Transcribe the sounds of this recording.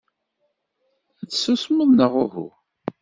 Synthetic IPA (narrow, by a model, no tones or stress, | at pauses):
æt͡sːsusməðˤnəʁʊhʊ̰